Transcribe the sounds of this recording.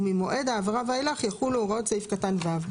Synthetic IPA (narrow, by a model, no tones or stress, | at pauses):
mimoʔe̞d̪aːvʁavaelaχjaχulooʁott͡seifkatanvav